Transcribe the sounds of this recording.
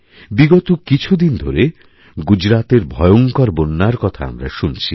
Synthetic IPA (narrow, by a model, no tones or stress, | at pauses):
biɡɔt̪okit͡ɕʰud̪ind̪ʱoɾe | ɡud͡ʑɾat̪eɾbʱɔjoŋkɔɾbonːaɾkɔt̪ʰaa̰mɾa̰ʃunt͡ɕʰi